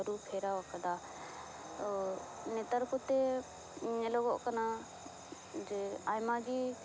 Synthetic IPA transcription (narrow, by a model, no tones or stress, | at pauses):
əɾupʰeːɾaʋkɐd̪aː | t̪o | net̪əɾkʊt̪e | ɲeloːɡoʔkɐna | d͡ʒeaːjmaːɡi